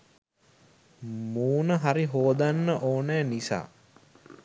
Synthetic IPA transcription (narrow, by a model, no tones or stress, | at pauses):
muːnəɦaɾiɦoːd̪anːəʔoːnɛːnisa̰ː